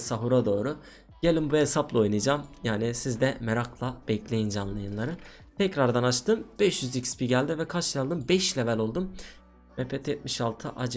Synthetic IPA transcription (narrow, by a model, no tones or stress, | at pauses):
saɦuɾad̪o̞ːɾu | ɟ̥elʲimbuhesaplˠao̞jnɯd͡ʒaːmjaːnisizd̪ɛmeɾaklˠab̥ɛclʲe̞jind͡ʒanlˠajɯnlˠaɾɯ | t̪ʰɛcɾaɾd̪anat͡ʃt̪ʰɯmb̥ɛʃjyzicspʰiɟælʲd̪ivɛkʰat͡ʃjalˠd̪ɯmbɛʃlʲevɛlʲo̞lˠd̪um | mɛpʰɛt̪ʰjɛt̪̚miʃalˠt̪ʰɯʔad͡ʒ